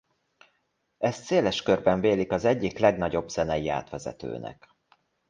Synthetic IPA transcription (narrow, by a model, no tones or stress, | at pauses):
ɛst̪seːlɛʃkørbɛɱveːlikɒzɛɟːiklɛɡnɒɟo̞bz̥ɛnɛjia̰ːt̪ʋɛzɛ̰t̪ø̰ːnɛ̰k